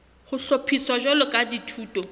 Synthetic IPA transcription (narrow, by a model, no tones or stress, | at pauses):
χʊɬopʰiswad͡ʒɔlʊkʼaditʰuːtʼɔ